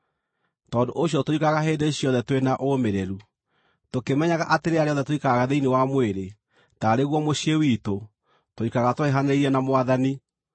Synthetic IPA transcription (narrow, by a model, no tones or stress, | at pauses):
tɔːdoʔoɕjɔtoikaɣaɦedeɕjɔðɛtwenaʔomeɾeɾu | tokemɛɲaɣaʔateɾeaɾeɔðɛtoikaɣaðeinewamweɾe | taɾeɣwɔmoɕiewiːto | toikaɣatoeɦaneiɾɛnamoaðani